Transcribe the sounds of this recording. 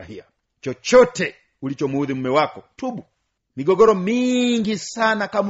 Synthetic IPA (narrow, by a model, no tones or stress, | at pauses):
hia | t͡ʃɔt͡ʃɔtɛ | ulit͡ʃɔmuuðim̩mɛwakɔtuɓu | miɡɔɡɔɾɔmiŋɡisanakam